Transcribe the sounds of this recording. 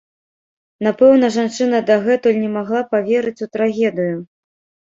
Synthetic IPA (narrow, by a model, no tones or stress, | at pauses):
napɛwn̪ɐʐant͡ʂɨn̪ɐd̪aɣɛt̪ulʲnʲɛmaɣlˠapavʲeɾɨt͡sʲut̪ɾaɣʲɛd̪ɨju